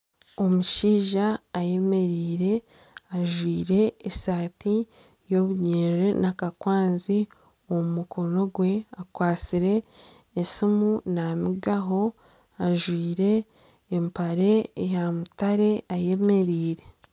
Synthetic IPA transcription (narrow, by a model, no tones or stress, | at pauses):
o̞muʃiːʒaːje̞me̞ɾiːɾe̞ | aʒwiːɾe̞esaːti | jo̞βuɲeːɾenakakwaːnzi | oumukʰo̞no̞ɡwe̞akwaːt͡siɾe̞ː | simunamiɡaɦo̞ | aʒwiːɾe̞ː | mpaɾe̞ejamutaɾe̞aje̞me̞ɾiːɾe̞